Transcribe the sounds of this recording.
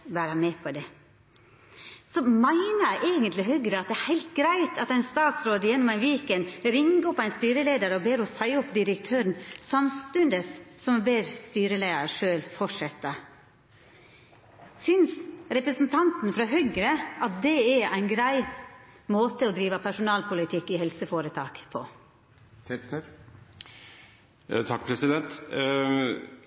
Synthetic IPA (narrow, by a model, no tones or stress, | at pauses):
ʋæːɾəmeːpʰɔd̪ɛ | sɔmæɪnəʔeːɡənt̪lɪɦœɡɾəɑt̪̚d̪ɛæɾhæɪlt̪ɡɾæɪt̪ʰɑt̪æɪnst̪ɑːt̪sɾoːd̪əjɛnːʊmæɪnʋiːkənɾɪŋɔpæɪnst̪yːɾəleːd̪əɾəɔbeːɾɔsæɪɔpd̪ɪɾəkt̪ʰøːɾənsɑmst̪ʉnd̪əssɔmbeːɾst̪yːɾəleːd̪əɾʂøːlfɔʂɛt̪ːə | sʏnsɾɛpɾəsn̩t̪ʰɑnt̪n̩fɾɑɦœɡɾəʔɑt̪̚d̪ɛææɪnɡɾæɪmoːt̪əɔd̪ɾiːʋəpʰæʂʊnɑːlpʰʊlɪt̪ʰɪkːɪhɛlsəfoːɾət̪ʰɑːkpʰɔ̰ | t̪ʰɑkːpʰɾɛsɪd̪ɛnt̪